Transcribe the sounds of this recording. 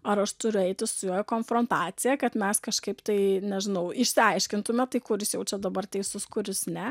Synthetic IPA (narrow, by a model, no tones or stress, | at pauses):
ɐɾɐʃt̪ʊɾʲʊɛɪt̪ʲɪssʊjuːjɛkoːnfɾoːnt̪ɑːt͡ssʲɪjɛkɐt̪mʲɛskɐʃkɐɪpt̪ɐɪnʲɛʒʲɪnɐʊɪʃʲsʲɪɐɪʃʲkʲɪnt̪ʊmʲɛt̪ɐɪkʊɾʲɪsjɛʊt͡ʃʲɛd̪ɐbɐrt̪ʲɛɪsʊskʊɾʲɪsnʲɛ